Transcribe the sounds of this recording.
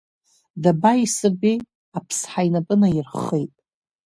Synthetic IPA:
dabaisɨbi | apʰsħajnapʼɨnajɪrχejtʼ

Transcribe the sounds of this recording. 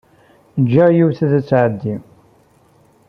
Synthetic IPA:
d͡ʒːajuwθæðæt͡sːʕəd̪ːi

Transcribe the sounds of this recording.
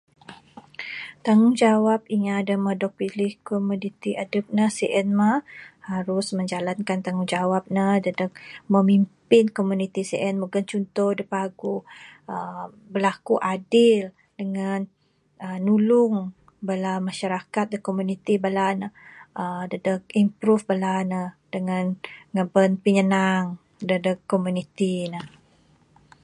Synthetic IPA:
t̪aŋʊŋd͡ʒawap̚iŋadəmədɔk̚pilɪhkomunit̪iʔadəp̚nəsiʔɛnmahaɾʊsmə̃ɲd͡ʒalankant̪aŋuŋd͡ʒawap̚nadadək̚məmimpɪnkomunit̪isiʔɛnmuɡənt͡ʃunt̪ɔhdəpaɡuə | bəlakuʔadɪl | dəŋan | ənːulʊŋ | bəlamaʃaɾakat̪̚dəkomunit̪ibəlanəʔədədək̚impɾufbəlanəd̥əŋanŋəbənpiɲənaŋ | dədəkːomunit̪inə

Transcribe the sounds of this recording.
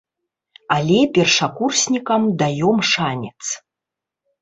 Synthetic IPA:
alʲɛpʲɛrʂakursʲnʲikɐmd̪ajɔmʂanʲɛt̪s

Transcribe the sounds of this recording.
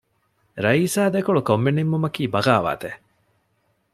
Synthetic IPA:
ɾɐiːsaːd̪ekuɭukomːenimːumɐkiːbɐɡaːʋa̰ːt̪e

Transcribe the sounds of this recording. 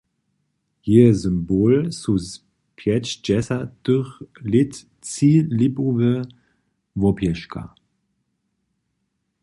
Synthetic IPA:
hizʏmboːlsus | pʰjɛt͡ʃd͡ʒɛsɐtøχlɪt | t͡silipuvə | vɔpjɛʃkʰa̰

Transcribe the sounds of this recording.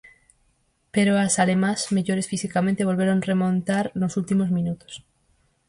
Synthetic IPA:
peɾoasalemãsmeʝoɾesfisikamẽnt̪eβo̞lβeɾonremõnt̪aɾnosult̪imozmĩnut̪o̥s

